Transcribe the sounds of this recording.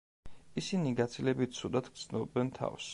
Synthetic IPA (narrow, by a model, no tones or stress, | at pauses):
isiniɡat̪sʰilɛbit̪̚t̪sʰud̪at̪ʰɡd̪znɔbɛnt̪ʰa̰fs